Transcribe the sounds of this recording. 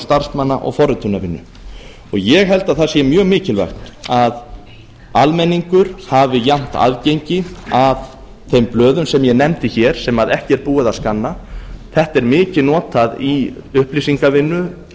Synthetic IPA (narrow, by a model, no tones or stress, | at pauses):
st̪aɾ̥st̪manːa̰ʔɔ̰ɣfɔrɪt̪ʰʏnavɪnːʏ̰ | ɔɣjɛɣɦɛlt̪aðθasɛmjœːɣmɪːcɪlva̰xt̪nað | almɛnːiŋkʏɾ̥havɪjam̥t̪a̰ðcejɲcɪav | θejmplœːðʏmsɛmjɛnɛmt̪ɪçɛɾ̥sɛmaðɛhcɪɛɾpuːɪðaskanːaθɛht̪ɛɾmɪːcɪnɔːt̪aðiʏhplisiŋkavɪnːʏ